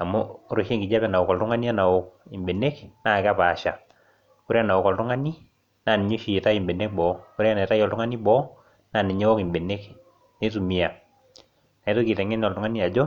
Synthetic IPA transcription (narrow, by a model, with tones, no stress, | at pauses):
a˨mo˦ɾo˨ʃe˦ŋɡi˨d͡ʒa˦pɛ˨na˨wo˨kɔ˨ltʊ˦ŋa˦ni˦a˦na˨wo˨k̚i˨mbe˨ne˦kna˦˨ka˦paː˨ʃa˨ | ko˦ɾe˦a˨na˨wo˨kɔ˨ltʊ˦ŋa˦ni˦ | naː˨ni˨ɲo˦ʃi˨e˨ta˦i˨mbe˨ne˦k̚bɔ˨˦ko˦ɾe˦a˦na˨ta˦jɔ˨ltʊ˦ŋa˦ni˦bɔ˦ | na˨ni˨ɲe˦wɔ˦ki˨mbe˨ne˦k | ne˦t̬u˨mi˨a˨ | n˨˦to˦ki˨tɛ˨ŋe˦nɔ˨ltʊ˦ŋa˦ni˦a˨d͡ʒo˦